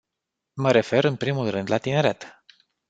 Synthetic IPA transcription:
məɾe̞fe̞ɾɨnpɾimulrɨnd̪lat̪ine̞ɾet̪

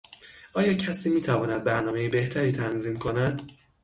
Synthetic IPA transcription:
ʔɒːjɒːcʰæsiːmiːt̪ʰævɒːnæd̪̚bæɾnɒːme̞jebe̞ht̪ʰæɾiːt̪ʰænziːmkʰo̞næd̪̥

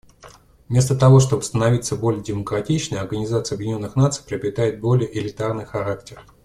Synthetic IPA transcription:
mʲe̞st̪ət̪ɐvo̞ʂt̪o̞bɨst̪ənɐvʲit̪səbo̞lʲɪjədʲɪməkɾɐtʲit͡ɕnəjɐrɡənʲɪzat̪sɨjɐbjdʲɪnʲo̞nːɨxnat̪sɨ̥jpɾʲɪɐbɾʲɪt̪ajɪt̪̚bo̞lʲɪjəʔɪlʲɪt̪arnɨjxɐɾaktʲɪr

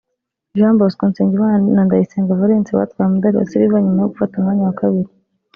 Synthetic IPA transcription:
ʒamboskoːnseːɲɟiβanandajiseːŋɡavaɾeːnt͡siwa̰tkwaːɾemudaɾia̰siɾiβaɲumajoɡufatumhaɲawakaβiɾi

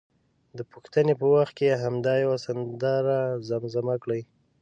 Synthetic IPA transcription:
d̪əpəxt̪ənepəwaxt̪̚keɦamd̪ɑjawasand̪ɑɾazamzamakɽəj

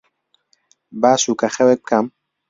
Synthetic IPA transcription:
baːsuːkɐxɛwɛk̚bɨ̥kʰɐm

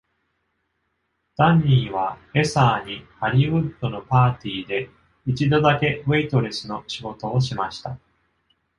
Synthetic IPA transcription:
d̪̥aɲ̟ʲːiːβ̞ae̞saːɲ̟ihaɾʲiɯ̟t̪ːo̞no̞paːt̪ʲiːd̪e̞ | it͡ɕid̪o̞d̪ake̞βeit̪o̞ɾe̞sɨno̞ɕiɡo̞t̪o̞ːɕimaɕi̥t̪a

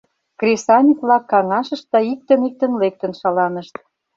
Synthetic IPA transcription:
krʲesɑnʲiklɑkːɑŋɑʃə̆ʃt̪̚d̪ɑik̚t̪ə̆nik̚t̪ə̆nlek̚t̪ə̆nʃɑlɑnə̆ʃt̪̚

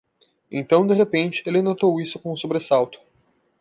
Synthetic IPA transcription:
ḛ̃t̪ɐ̃w̃d̪eɦepẽnt͡ʃɪ̥elɪnot̪owisʊkõũsobɾesawt̪ʊ̥

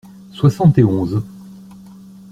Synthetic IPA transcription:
swasɑ̃t̪eɔ̃z

